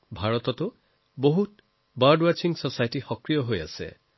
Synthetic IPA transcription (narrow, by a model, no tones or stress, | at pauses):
bʱaɹɔtɔtʊ | boɦut | baɹdwat͡ʃiŋsɔsajtixɔkɹijɔɦoja̰sɛ̰